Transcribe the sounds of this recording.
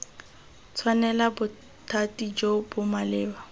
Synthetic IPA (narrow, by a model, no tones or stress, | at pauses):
t͡sʰwanɛlabʊ | tʰatid͡ʒobʊmalɪːba